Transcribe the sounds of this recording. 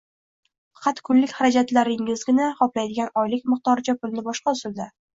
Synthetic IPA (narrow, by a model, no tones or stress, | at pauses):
fqʰɑt̪kʰʊlːɪkʲχaɾad͡ʒat̪laɾɪŋɪzɡʲɪnaχɒplajd̪ɪɡʲanɒjlɪkʲmɨχt̪ɒɾt͡ʃʰapʊlnɪbɒʃqɑʊsɪld̪a